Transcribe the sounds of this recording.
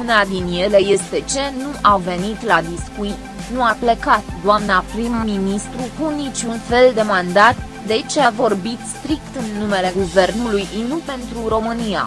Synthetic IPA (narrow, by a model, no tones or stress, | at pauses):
unad̪inje̞le̞je̞st̪e̞t͡ʃe̞nuʔave̞nit̪lad̪iskui | nuaple̞kat̪d̪oamnapɾimːinist̪ɾukunit͡ʃʲunfe̞ld̪e̞mand̪at̪ | d̪e̞t͡ʃeavo̞rbit̪st̪ɾik̚t̪ɨnːume̞le̞ɡuve̞rnulujinupe̞nt̪ɾuɾo̞mɨnija̰